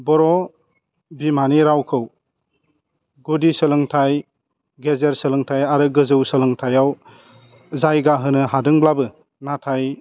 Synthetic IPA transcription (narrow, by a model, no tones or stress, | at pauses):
bɔɾɔ | bimaniɾawkʰɯw | ɡudisəlɯŋtʰaj | ɡezeɾsəlɯŋtʰajaɾɯɡɯzɯwsəlɯŋtʰajaw | zajɡaɦɯnɯɦadɯŋblabɯ | natʰaj